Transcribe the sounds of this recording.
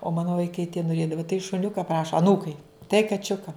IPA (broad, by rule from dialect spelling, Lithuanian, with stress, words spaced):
oː ˈmɑːnʊ ʋɐɪˈkɐɪ tʲiɛ noːˈrʲeːdɐʋɐ tɐɪ ʃʊˈnʲʊkɐ ˈprɑːʃɐ ɐˈnuːkɐɪ tɐɪ kɐˈt͡ʃʲʊkɐ